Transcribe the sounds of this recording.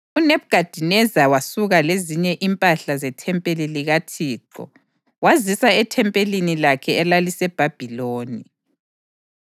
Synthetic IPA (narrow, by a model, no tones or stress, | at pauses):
unɛβɡ̥ʱad̥ʱinɛzawasuɣaleziɲɛʔimpʼaɬazɛtʰɛmpʼeliliɣatʰiːǃɔ̰ | wazisaɛtʰɛmpʼelinilakʰɛɛlalisɛb̥ʱab̥ʱiloːni